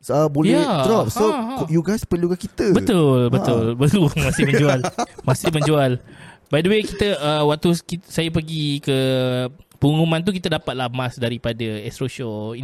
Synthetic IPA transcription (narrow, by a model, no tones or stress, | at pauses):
əboljɛaɾɔp̚sõjuɡajspəliuɡakit̪əbət̪ʊlbət̪ʊlbəumãsɪmə̃ɲmd͡ʒualmãsɪməɲd͡ʒualbadəwekit̪əəwak̚t̪uskisajapəɡikə | puŋumãnt̪̬ukit̪ədapat̪̚lahmasdaɾipadəɛst̪ɾoʃoi